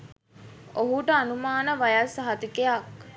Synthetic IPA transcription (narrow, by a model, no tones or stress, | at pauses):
oɦuʈəanumaːnəʋajasɦat̪ukejak